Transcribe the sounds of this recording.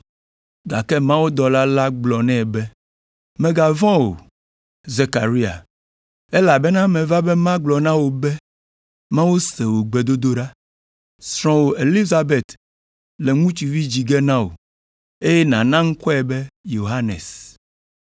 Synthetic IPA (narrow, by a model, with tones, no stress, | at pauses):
ɡa˨kɛ˦mã˦wo˦d̪ɔ˨la˦la˦ɡ͡blɔ˨nɛ̃˦˨bɛ˦ | mɛ̃˨ɡa˨vɔ̃˦wo̰˨ | ze˨ka˨ɾi˦a̰˨ | e˦la˨bɛ˦nã˦mɛ̃˨va˦bɛ˦mã˦ɡ͡blɔ˨nã˦wo˨bɛ˦ | mã˦wo˦sɛ˨wo˨ɡ͡be˨d̪o˦d̪o˦ɖa˦ | sɾ̃ɔ̃˨wo˨ʔe˨li˦za˨be˨t̪ | lɛ˨ŋũ˦t͡ʃi˨vi˦d͡ʑi˨ɡɛ˦nã˦wo̰˨ | e˦jɛ˦nã˨nã˦ŋ̩˦kɔ˦ɛ˨bɛ˦jo˨ɦa˦nɛ̰̃˨s